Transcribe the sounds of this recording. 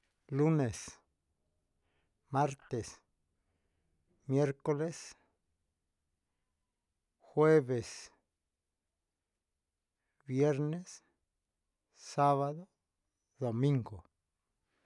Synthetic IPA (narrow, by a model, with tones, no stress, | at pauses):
lu˦ne˨s | ma˦ɾt̪e˨s | mje˦ɾko˦le˦s | xwe˦βe˨s | bje˦ɾne˦s | a˦βa˦d̪o˦ | d̪o˨mi˦ŋɡo˨